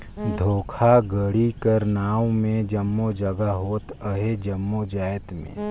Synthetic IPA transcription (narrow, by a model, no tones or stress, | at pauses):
d̪ʱoːkʰaɡəɽikəɾnaːwmẽd͡ʒəmːod͡ʒəɡaɦoːt̪əɦed͡ʒəmːod͡ʒaːjət̪mḛ̃ː